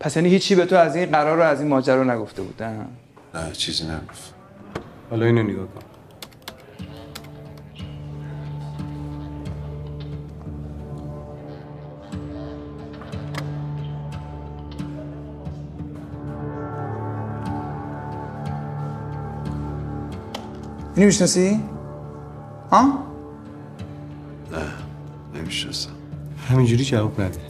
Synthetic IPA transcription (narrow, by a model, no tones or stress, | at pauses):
pʰæsjæːniːhiːt͡ʃkʰiːbe̞t̪ʰoæziːnɢæɾɒːɾoæziːnmɒːd͡ʒæɾɒːnæɡo̞ft̪e̞bṵːd̪æn | næt͡ʃʰizinæɡoft̪ | hɒːlɒiːnoneɡɒːkʰon | nimiʃnɔsi | hɑ̃ | næ | nḛmiʃnɔsæm | hæmind͡ʒuɾid͡ʒævukʰnæɾd̪i